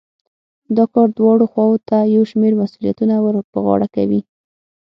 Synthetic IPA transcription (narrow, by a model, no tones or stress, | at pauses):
d̪ɑkɑɾd̪wɑɽoxwɑwot̪ajawʃmeɾmasulijat̪unawɾbəɣɑ̰ɽakawi